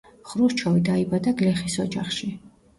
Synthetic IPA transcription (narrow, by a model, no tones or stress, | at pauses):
χɾust͡ʃʰɔvid̪aibad̪aɡlɛχisɔd͡ʒaχʃi